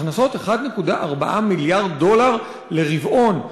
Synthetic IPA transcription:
χnaso̞t̪eχad̪ne̞kudaʔaʁbaʔamiljaʁdːo̞laʁ | le̞ʁivʔo̞n

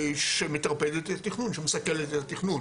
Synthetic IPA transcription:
ʃemet̪ʁaped̪et̪t̪iχnunʃemesakelet̪etat̪iχnun

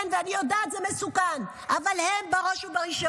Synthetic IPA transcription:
nveanijod̪aːt̪zemesukan | ʔavalhembaʁoʃubaʁiʃo

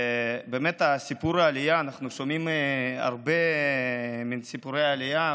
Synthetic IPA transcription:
beːmet̪asipuɾaːlijaːnaχnuʃomima̰ʁbe̞ | minsipuɾejaːlija

